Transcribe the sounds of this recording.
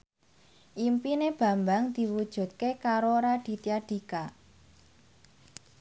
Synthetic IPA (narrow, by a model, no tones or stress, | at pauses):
ʔimpineb̥ä̤mbaŋd̪̥i̤wud̥ʒ̥ṳd̪̚kekaɾoɾad̪̥i̤t̪iaɖ̥i̤ka